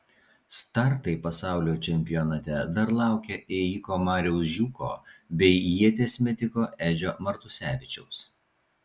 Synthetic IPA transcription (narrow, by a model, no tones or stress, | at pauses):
st̪ɐɾt̪ɐɪpɐsɑˑʊlʲoːt͡ʃʲɛmʲpʲɪjɔnɐt̪ʲɛd̪ɐɾlˠɑˑʊkʲɛʔɛjɪkoːmɑːɾʲɛʊsʒʲuːko̰ːbʲɛɪjiɛt̪ʲeːsʲmʲɛt̪ʲɪkoːʔæːd͡ʒʲoːmɐɾt̪ʊsʲæːʋʲɪt͡ʃʲɛʊs